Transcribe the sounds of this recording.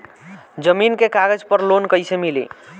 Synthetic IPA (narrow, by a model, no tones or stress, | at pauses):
d͡ʒəminkekaɡəd͡ʒpəɾlonkəjsemilḭ